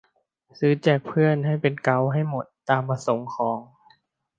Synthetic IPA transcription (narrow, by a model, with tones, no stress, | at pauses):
sɯː˨˦t͡ɕɛː˨˩k̚pʰɯ˥˩ənɦa˥˩jpe˧nka˧˥wɦa˥˩jmo˨˩t̪ːaː˧mpa˧so˨˦ŋkʰɔː˩˦ŋ